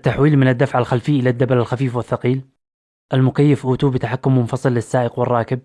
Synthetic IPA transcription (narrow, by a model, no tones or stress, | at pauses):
t̪ːaħwiːlmɪnɪd̪ːafʕalxalfɪːʔɪlad̪ːabalalxafiːfwɪθːɑqiːl | ʔalmʊkajːɪfʔuːt̪uːbɪt̪aħakːʊmːʊnfɑsˤɨlːɪsːaːʔɪqwɪrˤːɑːkɪb̚